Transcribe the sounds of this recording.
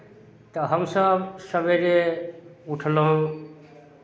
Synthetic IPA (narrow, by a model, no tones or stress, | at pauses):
t̪ɐɦəmsəbsəbʱeɾe | ʊʈʰlõ